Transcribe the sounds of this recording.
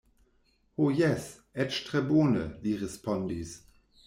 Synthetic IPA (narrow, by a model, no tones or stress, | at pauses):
hojɛs | ɛtʃtʁ̥ɛboːnə̰liʁɛspʰɔndis